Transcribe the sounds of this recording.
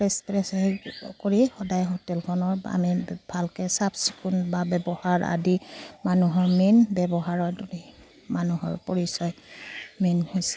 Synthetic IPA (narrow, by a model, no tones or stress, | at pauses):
ɹɛstɹɛskoɹixɔdajɦotɛlpʰɔnɔɹa̰mibʱalkɛsabsi̥kunbabɛbɔhaɹa̰dimanuɦɔɹminbɛbɔɦaɹɔduni | manuɦɔ̰ɹpoɹisɔjminhɔjs